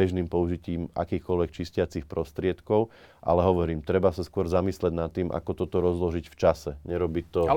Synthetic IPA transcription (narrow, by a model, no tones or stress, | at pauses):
ɛʒniːmpɔuʒiciːmʔa̰kiːxkɔlʋɛk̚t͡ʃiscɪat͡sixpɾɔst̪ɾɪɛt̪kɔʊ | ʔa̰lɛɦɔʋɔɾiːmt̪ɾɛbasaskʊɔɾzamislɛɟnat̪ːiːmʔa̰kɔt̪ɔt̪ɔɾɔzlɔʒicft͡ʃasɛɲɛɾɔbit̪ɔ